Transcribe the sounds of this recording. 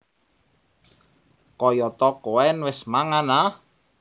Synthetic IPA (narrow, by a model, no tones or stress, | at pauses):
kɔjɔt̪ɔkoɛnwɪsmaŋana